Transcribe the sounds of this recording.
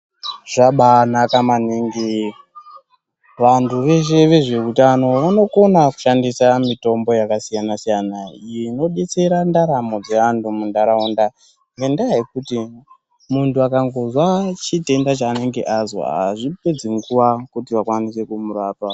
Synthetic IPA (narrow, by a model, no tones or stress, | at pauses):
ʐ̥aɓanakamaniːŋɡi | ʋantʰuʋe̞ʃ̬e̞ʋe̞ʐe̞kutano̞ʋano̞ko̞naku̥ʃandisamito̞mbo̞jakasijanasijanaijeno̞ɓe̞t͡se̞ɾandaɾamo̞d͡ze̞antumundaɾaunda | ŋɡendajekuti | muntʰuakaŋɡo̞zwat͡ʃite̞ndat͡ʃaːne̞ŋɡe̞̰ʔazo̰ɦa̰ʐipe̞d͡ziŋɡuwakutiʋakwanise̞kumuɾaːtwa